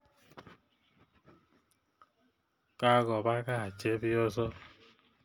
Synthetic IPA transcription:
ka˦ɡɔ˨ba˦ka˦a˨t͡ʃe˦bi˦ɔ˦zɔ˦

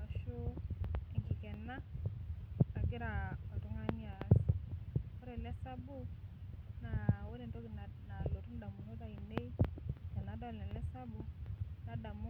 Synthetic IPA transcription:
a˨ʃu˦ɛ˨ŋɡi˨kɛ˨na˦ | a˨ki˦ɾa˨ɔ˨to˦ŋa˦ni˦a˨s | ɔ˦ɾɛ˨lɛ˦sa˦bu˦ | na˨we˦ɾe˨ndo˦ki˨nna˨lo˨tu˦n˦da˨mu˨no˦ta˨i˨ne˦i˦kɛ˨na˨˦da˦˨lɛ˨lɛ˦sa˦bu˨na˨da˨mu˦

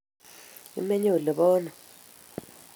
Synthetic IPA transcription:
ḭ˨mɛ˦ɲɛ˦u˨lɛ˨ɓɔː˦na˨

